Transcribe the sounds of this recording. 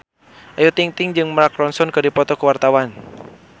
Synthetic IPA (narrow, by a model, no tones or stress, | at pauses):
ʔajut̪iŋt̪ɪŋd͡ʒɨŋmɾakɾɔnsɔnkɨdipɔt̪ɔkəwart̪awan